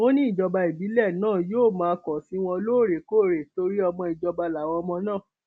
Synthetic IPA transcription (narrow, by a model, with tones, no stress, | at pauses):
o˦nĩ˦i˦˨d͡ʒɔ˧ba˧i˨bi˨˦lɛ˦˨nãː˦˨joː˦˨mãː˨˧˦kɔ˨sĩ˨˦w̃ɔ̃˧loː˦˨ɾe˨ko˦˨ɾe˨to˧ɾi˦ɔ˧mɔ̃˧i˨d͡ʒɔ˧ba˧la˨w̃ɔ̃˧ɔ˧mɔ̃˧nãː˦˨